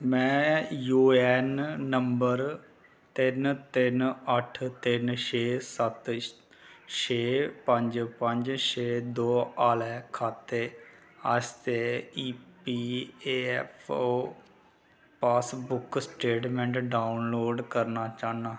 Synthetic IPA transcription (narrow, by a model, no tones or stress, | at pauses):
mɛ̃ːjuːɛːnːəmbəɾ | t̪ɪnt̪ɪnəʈʰt̪ɪnʃeːsət̪ | ʃeːpəɲd͡ʒpəɲd͡ʒʃeːd̪oːaːlɛːkʰaːt̪ːeː | aːst̪eːiːpiːeːɛpʰoː | paːsbʊksʈeːʈmɛ̃ɳʈɖaːʊnloːɖkəɾnaːt͡ʃãːnaː